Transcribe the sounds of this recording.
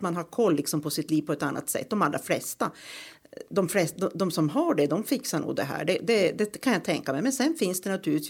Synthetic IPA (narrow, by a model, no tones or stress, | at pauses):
t̪manɦaɾkʰɔlːɪksɔmpʰɔsɪt̪liːvpʰɔɛt̪anːa̰t̪sɛ̰t̪ːd̪ɔmalːɾa̰flɛst̪a | d̪ɔmflɛsd̪ɔd̪ɔmsɔmɦɑːɖɛd̪ɔmfɪksaɳṵːɡd̪ɛɦæ̰ːɖɛd̪ɛd̪ɛkʰanjat̪ʰɛŋkamɛjmɛnsɛnfɪnsd̪ɛnat̪ʰʉːɾɪ